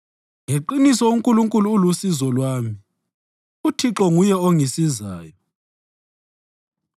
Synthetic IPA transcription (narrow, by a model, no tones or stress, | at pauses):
ŋeǃinisɔuŋkʼuluŋkʼuluːlusizɔlwaːmi | utʰiǁɔŋujɛoŋisizaːjɔ